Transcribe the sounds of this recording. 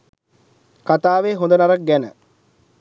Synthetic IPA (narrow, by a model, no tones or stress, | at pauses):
kat̪aːʋeːɦõnd̪ənaɾak̚ɡɛnə̰